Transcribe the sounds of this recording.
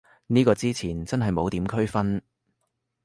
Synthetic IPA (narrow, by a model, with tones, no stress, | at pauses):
niː˥kɔː˧t͡siː˥t͡sʰiː˨˩nt͡sɐ˥nɦɐ˨jmo˨˧wt̪iː˨˥mkʰɵ˥ɥfɐ˥n